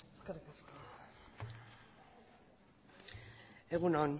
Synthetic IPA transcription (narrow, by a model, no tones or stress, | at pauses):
skaɾkasko | eɣunon